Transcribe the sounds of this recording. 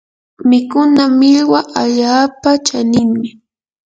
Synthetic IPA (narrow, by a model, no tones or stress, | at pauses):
mɪkʊnamɪʎwaʔaʎaːpat͡ʃanɪŋmɪ